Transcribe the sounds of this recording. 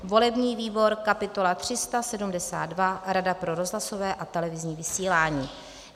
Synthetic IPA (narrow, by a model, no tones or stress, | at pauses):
vo̞lɛbɲiːviːbo̞ɾkapɪt̪o̞lat̪r̝̥ɪst̪asɛdumdɛsa̰ːd̪̚dvaɾadapɾo̞ɾo̞zɦlaso̞vɛːʔat̪ɛlɛvɪzɲiːvɪsiːlaːɲiː